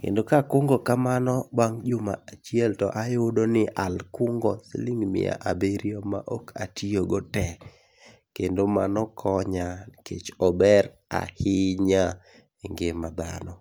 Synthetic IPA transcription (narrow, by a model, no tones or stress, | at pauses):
kḛndokakʊŋɡɔkamanɔbwaŋd͡ʒʊmaat͡ʃiɛltɔ̰ʔajodonɪʔalkʊŋɡɔsḛliŋmɪ̰a̰ʔabeɾiɔma̰ʔɔka̰tʰioɡɔtɛ | kendoma̰nɔkʰɔɲakḛt͡ʃɔbɛɾ | a̰hɪɲa | eŋɡɪmad̪a̰nɔ